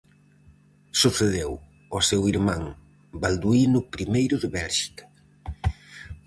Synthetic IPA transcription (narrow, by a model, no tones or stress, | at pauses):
suθeðew | ɔsewiɾmãŋ | bald̪uinʊpɾimejɾʊðɪβɛlʒi̥kɐ̥